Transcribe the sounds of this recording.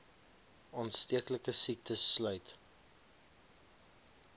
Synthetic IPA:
ɑːnstiəkləkəsik̚tʰəsːlœɥt

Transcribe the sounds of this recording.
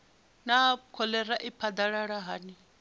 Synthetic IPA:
nakʰɔlɛɾaʔipʰad̪aɺaɺaɦaːni

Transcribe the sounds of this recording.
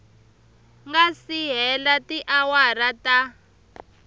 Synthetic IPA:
ŋɡasiɦɛlatiʔawaɾata

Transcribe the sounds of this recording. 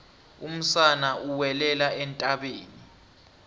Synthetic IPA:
um̩sanauwɛlɛlaɛntʼaɓeːni

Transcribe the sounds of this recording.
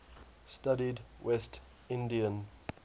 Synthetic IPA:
stadidwɛst | ɪ̃ndiə̃n

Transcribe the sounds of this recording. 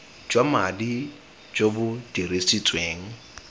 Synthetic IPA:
d͡ʒwamadi | d͡ʒobʊd̥iɾesit͡sʼweːŋ̩

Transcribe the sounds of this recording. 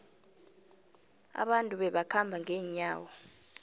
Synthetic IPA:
a̰ɓantʼuɓɛɓakʰambʱaŋɛːɲaːwɔ

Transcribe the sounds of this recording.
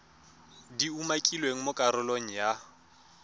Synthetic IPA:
diumakʼilweŋ̩mʊkʼaɾʊloŋ̩ja

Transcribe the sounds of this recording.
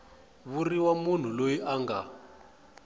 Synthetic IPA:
βuriwamun̤ulojiʔaŋɡa

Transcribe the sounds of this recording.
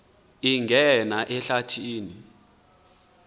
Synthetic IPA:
iŋɡʱɛnaʔɛɬatʰiːni

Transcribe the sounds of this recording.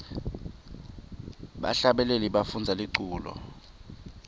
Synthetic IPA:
ɓa̰ɬaɓɛleliɓafund͡zʱaliǀuːlɔ̰

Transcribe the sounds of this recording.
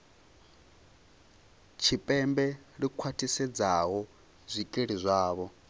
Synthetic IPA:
t͡ʃʰipʼɛmbɛ | ɺikʰwatʰʼisɛd͡zaɦɔ | zʷikʼeɺizʷaːβɔ

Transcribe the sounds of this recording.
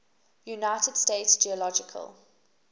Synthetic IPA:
junaɪtəd̥steɪtsd͡ʒiəlɔd͡ʒɪkʰə̰lˠ

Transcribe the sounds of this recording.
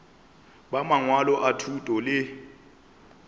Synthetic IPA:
ɓamaŋwalɔʔatʰutʼɔlɪ

